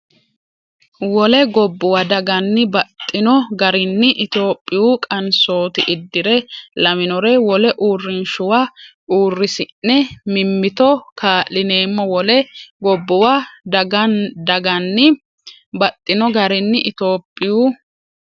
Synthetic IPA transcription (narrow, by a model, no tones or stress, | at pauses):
wɔlɛɡɔbːʊwad̪ɐɡɐnːɪbɐt̪ʼːɪnɔɡɐɾɪnːɪʔɪt̪o̞ːpʼːɪjuːkʼɐnso̞ːt̪ɪʔɪd̪ːɪɾɛlɐmɪnɔɾɛwɔlɛʔuːrːɪnʃʊwa | uːrːɪsɪnːɛmɪmːɪt̪ɔkʰaːʔːɪne̞ːmːɔwɔlɛɡɔbːʊwad̪ɐɡɐnd̪ɐɡɐnːɪ | bɐt̪ʼːɪnɔɡɐɾɪnːɪʔɪt̪o̞ːpʼːɪjuː